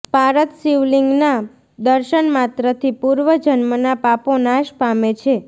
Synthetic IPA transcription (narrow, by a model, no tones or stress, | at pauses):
paɾət̪siʋliŋɡna | d̪əɾʃənmat̪ɾət̪ʰipuɾʋəd͡ʒənmənapaponaʃpamet͡ʃʰe